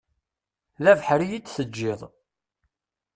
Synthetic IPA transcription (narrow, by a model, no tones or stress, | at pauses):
ðævħɾijidθəd͡ʒːɪðˤ